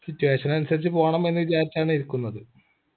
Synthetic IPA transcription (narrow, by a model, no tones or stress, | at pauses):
sitːuʋe̞ːɕɐnɐnusɐɾit͡ɕːɨpo̞ːɳɐme̞nːɨʋit͡ɕaːɾʲit͡ɕːaːɳiɾukːunːɐðɨ